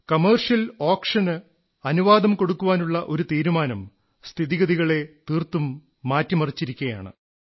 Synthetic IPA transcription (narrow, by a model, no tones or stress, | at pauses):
kɐmeːrʂjɐlo̞ːkʂɐnɨ | ɐnuʋaːd̪ɐmko̞ɽukːuʋaːnuɭːɐʔo̞ɾut̪iːɾumaːnɐm | st̪ʰiðiɣɐðiɣɐɭe̞t̪iːrt̪umː | aːtːjɐmɐrit͡ɕːiɾikʲːuɐja̰ːɳɨ̰